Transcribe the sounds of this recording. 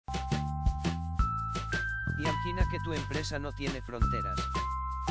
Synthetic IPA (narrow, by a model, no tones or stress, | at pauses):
d̪iaxinake̞t̪uempɾesanot̪jene̞fɾont̪eɾa̰s